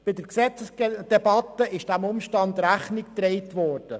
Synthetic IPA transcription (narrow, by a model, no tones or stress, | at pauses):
b̥ɪdəɾksɛt͡səsd̥ɛbɑt̪ːəɪʃd̥æmʊmʃtɑnd̪ɾæχnɪkt̪ɾɛɪtʋɔːrd̥ə